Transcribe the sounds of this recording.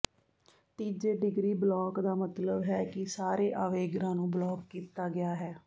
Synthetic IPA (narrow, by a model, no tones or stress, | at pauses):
t̪iːd͡ʒeːɖɪɡɾiːblɔːkd̪aːmət̪ləbɦɛːkɪsaːɾeːʔaːʋeːɡɾãːnũːblɔːkːiːt̪aːɡɪaːɦɛː